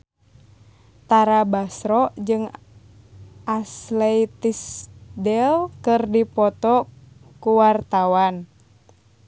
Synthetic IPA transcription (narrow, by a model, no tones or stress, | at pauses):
t̪aɾabasɾɔʔd͡ʒɨŋ | ʔaslɛit̪isdɛlkɨrdipɔt̪ɔ | kuwart̪awan